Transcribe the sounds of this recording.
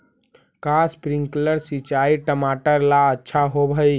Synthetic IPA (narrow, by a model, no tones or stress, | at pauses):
kaspɾiŋɡkələɾsit͡ʃaiʈəmaʈəɾlaətːʃʰaɦobʱəj